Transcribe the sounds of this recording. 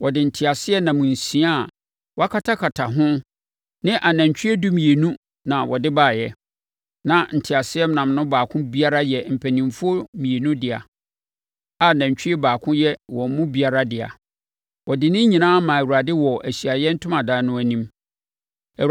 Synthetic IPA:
wɔ˨dɪ˨n̩˨tʰɪ˨a˨sɪ˦ɛ˦nã˨mũ˨n̩˨sĩ˨˦a˦˨ | wɔ˦a˦kʰa˦tʰa˦kʰa˨tʰa˨ɦʊ̃˦ | nɪ̃˦ʔa˨næ̃˨ɲ˨t͡ɕᶣɛ˦du˦mĩ˨e˨nũ˦ | nã˨wɔ˨dɪ˦baː˦˨jɛ˦ | nã˨n̩˨tʰɪ˨a˨sɪ˦ɛ˦m˦nã˨mnʊ̃˦baː˨kʰʊ̃˦bi˦a˦ɾa˦jɛ˨m̩˨pʰæ˨nĩ˨mfʊ˦o˦mĩ˨e˨nũ˦dɪ˨a̰˨ | a˨næ̃˨ɲ˨t͡ɕᶣɪ˦e˦baː˨kʰʊ̃˦jɛ˦wɔ˨˦mũ˦bi˦a˨ɾa˦dɪ˨a̰˨ | wɔ˨dɪ˨nɪ̃˦ɲĩ˨nãː˦mã˨æ˨wu˨ɾa˨dɪ˦wɔ˨ʔæ˨ɕɥa˨jɛ˦n̩˦tʰʊ̃˦mã˨daː˨˦nʊ̃˦æ˨nĩ˦m˨

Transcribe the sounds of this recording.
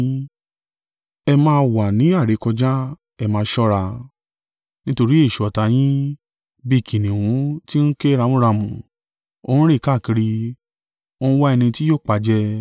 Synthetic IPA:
ɛ˧mãː˧wa˨nĩ˨˦a˦˨ɾe˨˦kɔ˧d͡ʒã˦ | ɛ˧mãː˧ʃɔ˦ɾa˧ | nĩ˦to˧ɾi˦e˦˨ʃu˨ɔ˨ta˨˧˦j̃ĩ˦ | bi˦˨kʰĩ˨nĩ˨wũ˨˦ti˦n̩˦ke˦ɾa˧mũ˦ɾa˧mũ˨ | o˧˦ũ˦ɾi˦˨ka˦˨ki˧ɾi˧ | o˦˧˦ũ˦wa˦ɛ˧nĩ˧ti˦joː˦˨k͡pa˨˧d͡ʒɛ˦

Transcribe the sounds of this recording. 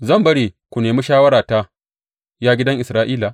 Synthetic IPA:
zɐ˦˨mbɐ˦ɽeː˨kʷu˨neː˨mi˦ʃaː˦wɐ˦ɾaː˨ta˦ | jaː˦ɡʲɪ˦dɐ˦ŋʔɪ˨sɾaː˦ʔiː˦la˨

